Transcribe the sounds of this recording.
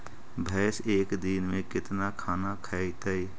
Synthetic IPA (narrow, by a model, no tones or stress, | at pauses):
bʱɛːseːkd̪iːnmẽkɪt̪nakʰaːnakʰaːit̪aiː